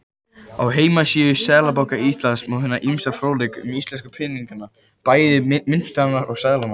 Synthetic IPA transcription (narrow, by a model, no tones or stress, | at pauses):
awɦeːjmasiːʏsɛːɣlapawkaist̪lansmɛðhɛnːaʔimst̪afɾoːwlɪkʏmist̪lɛnskapʰɪniŋkanːa | paːjðɪmɪn̥st̪anːaɾɔɣsɛɣlama